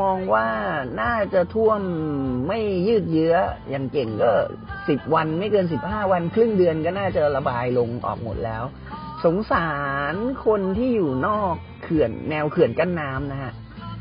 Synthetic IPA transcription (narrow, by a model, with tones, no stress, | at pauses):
ɔː˧ŋwaː˥˩naː˥˩t͡ɕa˨˩t̪ʰu˥˩əmːa˥˩jːɯː˥˩t̪̚jɯ˦˥ɐjaː˨˩ŋke˨˩ŋkɔː˥˩ | si˨˩p̚wa˧nma˥˩jkɤː˧ns̬i˨˩p̚haː˥˩wa˧nkʰɾɯ˥˩ŋdɯ˧ənkɔː˥˩naː˥˩t͡ɕa˨˧˩ɾa˧baː˧jlo˧ŋʔɔ̰ː˨˩k̚mo̰˨˩t̪̚lɛː˦˥w | so˩˦ŋsaː˩˦nkʰo˧nt̪ʰiː˥˩juː˨˩nɔː˥˩kʰːɯ˨˩ənːɛː˧wkʰɯ˨˩ənka˥˩nːaː˦˥mna˦˥hʰa˦˥ʔ